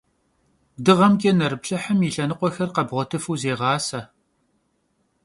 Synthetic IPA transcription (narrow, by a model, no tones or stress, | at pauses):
dɨʁɐmkʲʼenɐɾɨpɬɐħəmiɬɐnɨqʷɔxɐrqɐbʁʷɔtʰɨfuːzeːʁɑːsɐ